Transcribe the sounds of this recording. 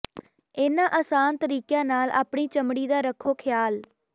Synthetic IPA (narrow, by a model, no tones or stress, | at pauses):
eːnãːʔəsaːnt̪əɾiːkjãːnaːlʔa̰ːpɳiːt͡ʃəmɽiːd̪aːɾəkʰːoːkʰɪjaːl